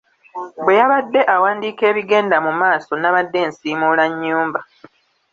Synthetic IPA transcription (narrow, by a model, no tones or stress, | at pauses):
bwe̞jaβadːe̞ʔawaːndiːke̞ːβiɡe̞ːndamumaːso̞naβadːe̞ːnsiːmuːlaɲːuːmba